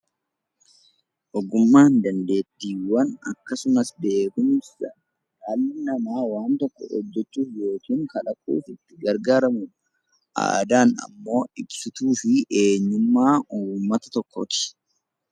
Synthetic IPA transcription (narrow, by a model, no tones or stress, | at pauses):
ʔɔɡʊmːaːnd̪ɐnd̪e̞ːt̪ːiːwɐnɐ̰kːɐsʊnɐsb̪e̞ːɡʊnɪsɐ | jaːlːɪnɐmaːwaːnt̪ɔkːɔ̰ɔ̰d͡ʒːɛt͡ʃːuːfjo̞ːkiːŋkɐlɐkʼːṵːfɪt̪ːɪɡɐɾɡaːɾɐmʊn | ʔa̰ːd̪aːnɐ̰mːo̞ːɪbsʊt̪uːfɪʔe̞ːɲːʊmːaːuːmːɐt̪ɐ̥t̪ɔkːot̪ɪ̥